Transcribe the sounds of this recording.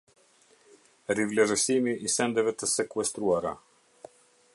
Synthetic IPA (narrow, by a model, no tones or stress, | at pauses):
ɾivlʲɛʒəsimiʔisɛnd̪ɛvɛt̪əsɛkuɛst̪ɾuaɾa